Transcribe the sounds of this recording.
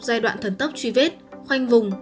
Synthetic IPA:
zaː˧jɗwa̰ː˧˨nt̪ʰə˨˩nt̪ə˦˥p̚t͡ɕwi˧˩ve˦˥t̚xwa˧jŋ̟vʊ˨˩ŋ͡m

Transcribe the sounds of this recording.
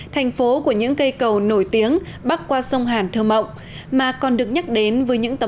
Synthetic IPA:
t̪ʰɛ˨˩jŋ̟fo˨˦ku˧˩əɲɨ̰˧˥ŋkə˧jkə˨˩wno˧˩jt̪i˨˦əŋ | ɓa˦˥t̚kwaː˧sə˧wŋ͡mɦaː˨˩nt̪ʰɨː˧˩mə̰˧˨wŋ͡m | maː˨˩kɔ˨˩nɗɨ˨˩ək̚ɲa˦˥k̚ɗe˨˦nvəː˨˦jɲɨ̰˧˥ŋt̪ə˨˦

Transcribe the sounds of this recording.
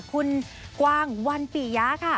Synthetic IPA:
kʰu˧n | kwaː˧ŋwa˧npiː˨˩jaː˦˥kʰa˥˩

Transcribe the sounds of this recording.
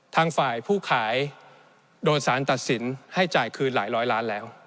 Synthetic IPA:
t̪ʰaː˧ŋfaː˨˩jpʰuː˥˩kʰaː˩˦j | doː˧n̚saː˩˦nt̪a˨˩t̪̚si˩˦nha˥˩jt͡ɕaː˨˩jkʰɯː˧nlaː˩˦jɾɔː˦˥jlaː˦˥nlɛː˦˥w

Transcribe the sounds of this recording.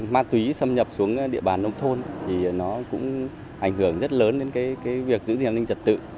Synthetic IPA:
maː˧t̪wi˨˦sə˧mɲə˨˩p̚su˨˦əŋɗḭ˧˨əɓaː˨˩nːə˧wŋ͡mt̪ʰo˧nt̪ʰi˨˩nɔ˨˦kʊ̰˧˥ŋ͡m | ʔa˧˩jŋ̟hɨ˧˩əŋzə˦˥t̚ləː˨˦nɗe˨˦nkaː˨˦jkaː˨˦jvi˨˩ək̚zɨ̰˧˥zaː˧˩nï˧ŋ̟t͡ɕə˨˩t̚t̪ɨ̰˧˨

